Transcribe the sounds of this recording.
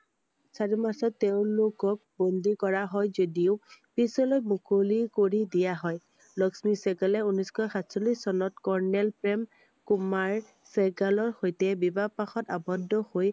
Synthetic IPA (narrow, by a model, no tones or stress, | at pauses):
saɹimasɔtːɛʊ̃lokɔk̚bɔndikɔɹaɦɔjzodiʊpisɔlojmukolikoɹidijaɦɔj | lɔksmisɛɡalɛunɔskɔjxatsolisːɔnɔtkɔɹnɛlpɹɛm | kumaɹ | sɛɡalɔɹxojtɛbibapaxɔta̰bɔdːɔhoj